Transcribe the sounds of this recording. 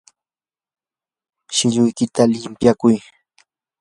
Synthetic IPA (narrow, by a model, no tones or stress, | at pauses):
ʃɪʎʊjkɪt̪alɪmpjakʊj